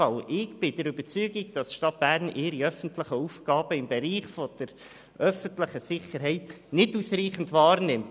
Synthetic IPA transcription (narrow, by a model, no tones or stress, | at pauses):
ɑlʔɪɡb̥ɪd̥ɛɾʏbət͡syːɡiɡd̥ɑsʃtɑt̚b̥æɾnɪːɾiœfən̩tlɪχəufɡ̥ɑːbəɪmbɛɾiːχfɔd̥əɾ | ʔœfəntləχəsɪχəɾɦɛɪtnɪdusriːχən̩dvɑːɾnɪmt